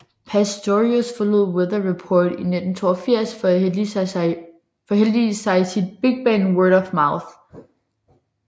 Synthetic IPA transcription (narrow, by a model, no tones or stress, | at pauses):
pʰæsd̥oʁiosfɒloð̰ˠweðˠɐʁipʰɔːd̥ine̝d̥n̩t͡sʰo̝̰ːɐfiɐ̰sfɒ̽æ | fɒhel̰d̥iːsɑ̈ɪsid̥̚b̥e̝ɡ̥̚b̥ɛːnwɜɾɒfmɑ̈ʊθ